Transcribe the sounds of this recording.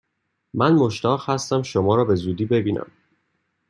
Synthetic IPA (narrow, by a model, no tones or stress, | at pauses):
mænmo̞ʃt̪ʰɒːʁhæst̪æmʃomɒːɾɒːbe̞zuːd̪iːbe̞biːnæ̰m